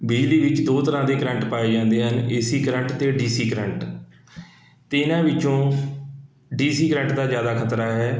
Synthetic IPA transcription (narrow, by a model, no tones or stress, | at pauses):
bɪːd͡ʒliːʋɪt͡ʃd̪oːt̪əɾãːd̪eːkɾə̃ɳʈpaːeːd͡ʒãːnd̪eːɦəneːsiːkɾəɳʈt̪eːɖiːsiːkɾəɳʈ | t̪eːɪnãːʋɪt͡ʃõː | ɖiːsiːkɾə̃ɳʈd̪aːzjaːd̪aːkʰət̪ɾaːɦɛː